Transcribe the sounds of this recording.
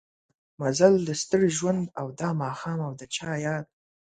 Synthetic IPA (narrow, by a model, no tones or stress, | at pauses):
mazald̪əst̪əɽeʒwand̪awd̪ɑmɑxɑːmawd̪ət͡ʃɑjɑd̪̚